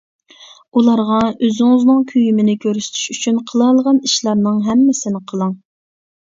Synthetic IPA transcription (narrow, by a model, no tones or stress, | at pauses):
ulˠɑɾʁɑøzɪŋɪznɨŋkʲʰyjymɪnɪkʲʰøɾsy̥t̪ʰy̥ʃyt͡ʃʰynqʰəlˠɑlˠəʁɑniʃlˠɑɾnɨŋɦɛmːɪsɪnɪqʰəlˠəŋ